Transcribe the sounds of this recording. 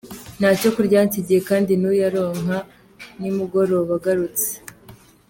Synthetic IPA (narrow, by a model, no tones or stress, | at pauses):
n̥haco̞kuɾɟaːntiɟijekaːndinujaɾo̞ːŋɦa | nimuɡo̞ɾoβaɡaɾut͡se̥